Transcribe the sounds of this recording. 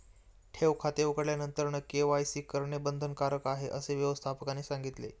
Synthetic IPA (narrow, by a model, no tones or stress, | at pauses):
ʈʰeʋkʰat̪eukəɽljanənt̪əɾɳəkeʋajsiːkəɾɳebənd̪ʱənkaɾəkaɦeʔəseʋjəʋəst̪ʰapəkaniːsaŋɡit̪lḛ